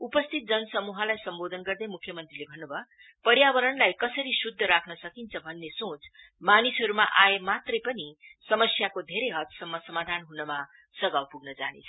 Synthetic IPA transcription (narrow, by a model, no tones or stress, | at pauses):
upʌst̪ʰit̪̚d͡zʌnʌsʌmuɦʌlajsʌmbod̪ʱʌnɡʌrd̪ejmukʰːjʌmʌnt̪rilebʱʌnːubʱʌ | pʌɾjabʌɾʌnlajkʌsʌɾisud̪ʱːʌɾakʰnʌsʌkint͡sʰʌbʱʌnːesõt͡s | manisɦʌɾumaʔaemat̪rʌjpʌnisʌmʌsjakod̪ʱeɾʌjɦʌt̪sʌmːʌsʌmad̪ʱanɦunʌma | sʌɡawpuɡnʌd͡zanḛt͡sʰʌ